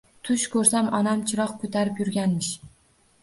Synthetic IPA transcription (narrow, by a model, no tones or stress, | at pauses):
t̪ʰʊʃkʰɵɾsamɒnamt͡ʃʰɪɾɒqkʰɵt̪ʰaɾɪpjʊɾɡʲanmɪʃ